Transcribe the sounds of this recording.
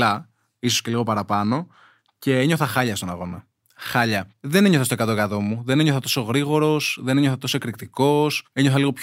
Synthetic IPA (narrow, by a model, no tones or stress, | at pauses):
ɐ | isosce̞liɣo̞pɐɾɐpɐno̞ | ce̞eɲo̞θɐxɐʎɐst̪onɐɣo̞nɐ | xɐʎɐðe̞neɲoθɐst̪okɐt̪okɐðo̞muðe̞ne̞ɲoθɐt̪o̞so̞ɣɾiɣo̞ɾo̞sðeneɲoθɐt̪o̞so̞kɾikt̪iko̞seɲoθɐliɣo̞pç